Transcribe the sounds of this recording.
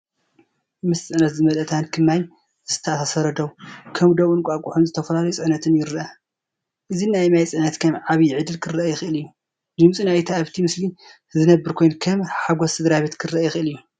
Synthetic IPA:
mɨst͡sʼɨʕnɐt̪zɨmɐlɐt̪ʰankʰɨmːaj | z̥ɨt̪ʰɐʔasasɐɾɐd̪ɐwkʰɐmd̪oβɨnkʷʼakʼuħunzɨt̪ʰɐfɐlalɐjut͡sʼɨʕnɐt̪ʰɨnjɪɾʔa | ʔɨzinajmajt͡sʼɨʕnɐt̪kʰɐmʕaβiʕɨd̪ɨlkʰɨrɐajxɨʔɨlɨjːu | d͡ʒɨmt͡sʼinajt̪ʰaaβt̪ʰimɨsli | zɨnɐbːɨɾkʰo̞jnkʰɐmħaɡosʰɨd̪ɾaβe̞t̪kʰɨrɐʔajxɨʔɨlɨjːu

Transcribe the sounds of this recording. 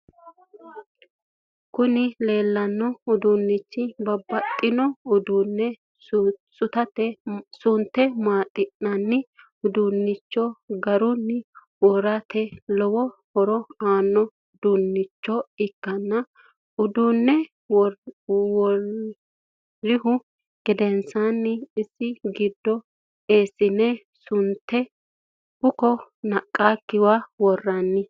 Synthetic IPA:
kʊnɪle̞ːlːɐnːɔʊd̪ʊnːɪt͡ʃːɪbɐbːɐt̪ʼːɪnɔʊd̪unːɛ | sʊt̪ɐt̪ɛsʊnt̪ːɛmaːt̪ʼːɪnːɐnːɪ | ʊd̪unːɪt͡ʃːɔɡɐɾʊnːɪ | wɔɾat̪ɛlɔwɔhɔɾɔaːnːɔ | d̪unːɪt͡ʃːɔɪkːɐnːɐ | ʊd̪unːɛ | wɔ | ɪhʊ | ɡ̥ɪd̪ɛnsanːɪɪsːɪɡɪd̪ːɔ | eːsɪnɛ | sʊnt̪ːɛ | bʊkɔnɐkʼːakːɪwawɔrːɐnːɪ

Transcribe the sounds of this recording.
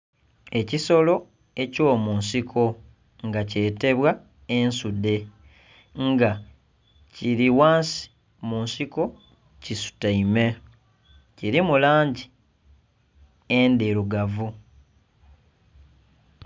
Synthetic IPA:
e̞ciso̞lo̞ | e̞co̞ːmunsikʰo̞ | ŋɡace̞ːte̞βwa | e̞nsude̞ | ŋɡa | ciɾiwaːnsi̥ | munsiko̞ | cisu̥taime | ciɾimulaːɲɟi | endeɾuɡavu

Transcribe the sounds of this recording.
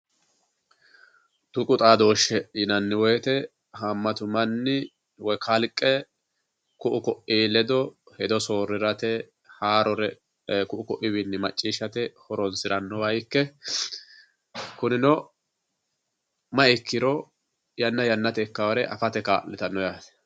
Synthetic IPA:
t̪ʊkʼʊt̪ʼaːd̪o̞ːʃːɛɪnɐnːɪwɔjt̪ɛ | ɦɐmːɐt̪ʊmɐnːɪ | wɔjkʰɐlkʼːɛ | kʊʔʊkɔʔiːlɛd̪ɔ | hɛd̪ɔso̞ːɾːɪɾɐt̪ɛ | haːɾɔɾɛ | kʊʔʊkɔʔɪβɪnːɪmɐt͡ʃʼːiːʃɐt̪ɛhɔɾɔnsɪɾɐnːɔwɐjkːɛ | kʊnɪnɔ | mɐɪkːɪɾɔ | jɐnːɐjɐnːɐt̪ɛkːɐwɐɾɛʔɐ̰fɐt̪ɛka̰ːlːɪt̪ɐnːɔjaːt̪ɛ̥

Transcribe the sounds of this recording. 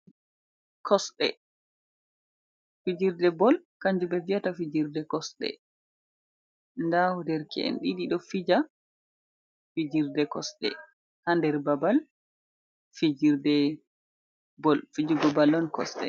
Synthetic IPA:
kʰɔsɗɛ̰ | fid͡ʒiɾdɛbɔlkaɲd͡ʒubɛviatafid͡ʒiɾdɛkɔsɗɛ̰ | ndahudɛɾkʰɛ̰ʔɛ̰nɗiɗiɗɔfid͡ʒa | fid͡ʒiɾdɛkɔsɗɛ̰ | handɛɾbabal | fid͡ʒiɾdɛ | bɔlfid͡ʒuɡɔbalːɔnkɔ̰sɗɛ̰

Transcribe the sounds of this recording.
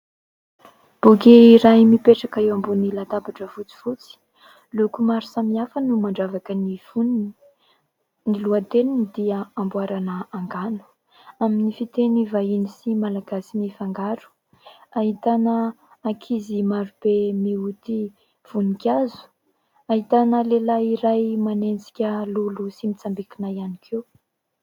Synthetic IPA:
b̥ukeiɾajmipeʈ͡ʂakaewambunilat̪abaʈ͡ʂəfut͡si̥fut͡si̥ | lukumaɾusamiafənumaɳɖ͡ʐavakənivu | niluat̪eninid̪iəambuaɾanəaŋɡanu̥ | aminifit̪enivainisimalaɡasinifaŋɡaɾu̥ | aɦit̪anəː | kʰizimaɾub̥emiut̪i | v̥unikʲazu̥ | aɦit̪anəlelajiɾajmanend͡zi̥kʲəlulusimit͡sambikinajanikʰew

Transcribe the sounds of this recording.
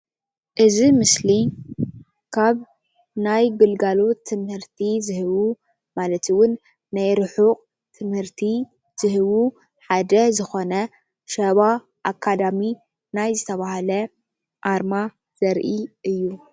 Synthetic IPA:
ʔɨzimɨsli | kʰaβ | najɡɨlɡalo̞t̪ʰːɨmhɨɾt̪ʰizɨhɨβu | malɐt̪iwʊnː | ajɾɨħuqʼ | t̪ʰɨmhɨɾt̪ʰi | z̥ɨhɨβu | ħad̪ɐzɨxo̞nɐ | ʃɐβa | ʔakʰːad̪ami | najzɨt̪ʰɐβahalɐ | ʔaɾma | z̥ɐɾʔiʔɨjːu

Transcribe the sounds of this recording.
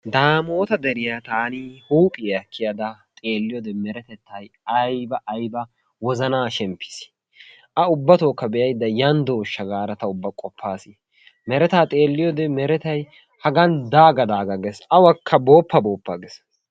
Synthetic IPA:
d̪aːmoːt̪ɐd̪ɛɾɪjat̪aːnɪhuːpʼɪɐkːɪjɐd̪ɐt̪ʼe̞ːlːɪjɔd̪ɛmɛɾɛt̪ɛt̪ʰːɐjɐjbɐʔːjbɐ | wɔzɐnaːʃɛmpːɪ̥s | ʔɐʊbːɐt̪oːkːɐbɛʔjɐjd̪ːɐjɐnd̪oːʃːɐɡaːɾɐt̪ɐʊbːɐkʼɔpʰːaːsɪ | mɛɾɛt̪aːt̪ʼe̞ːlːɪjɔd̪ɛmɛɾɛt̪ɐj | hɐɡɐnd̪aːɡɐd̪aːɡɐɡɛsʔɐwɐkʰːɐbo̞ːpːɐbo̞ːpːɐɡɛs

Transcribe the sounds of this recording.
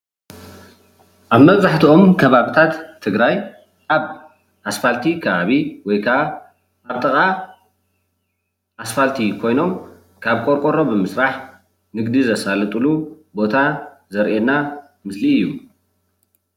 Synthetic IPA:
ʔaβmɐβzaħt̪ʰio̞mkʰɐβaβit̪ʰat̪ʰːɨɡɾaj | ʔaβ | ʔasfalt̪ʰikʰɐβaβiwɔjkʰaa | aβt̪ʼɨkʼa | ʔasfalt̪ʰikʰo̞jno̞m | kʰaβkʼoɾkʼoɾo̞bɨmɨsɾaħ | nɨɡd̪izɐsalɨt̪ʼɨlu | bo̞t̪ʰa | zɐɾʔena | mɨsliɨjːu

